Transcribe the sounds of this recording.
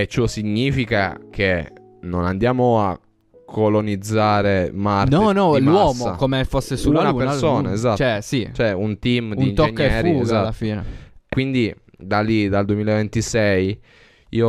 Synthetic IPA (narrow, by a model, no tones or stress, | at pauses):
et͡ʃːɔsiɲːiːfikakʰe | nonand̪jaːmoa | kʰːolonid̪zːaːɾemarɔnɔlwaɔːmoakomefosːesunaupeɾnsoːnaezat̪t͡ʃɛsit͡ʃɛunt̪imduniːnt̪ɔekɲːɛfːɾiuzalafiːnekwind̪i | d̪alːid̪ald̪wemiːlaevent̪isɛj | ḭo